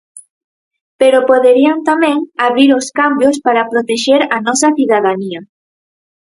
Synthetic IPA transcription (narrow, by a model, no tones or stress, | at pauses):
peɾopoðeɾiant̪amɛ̃ŋaβɾiɾoskambjospaɾapɾot̪eʃeɾanɔsɐθiðaðaniɐ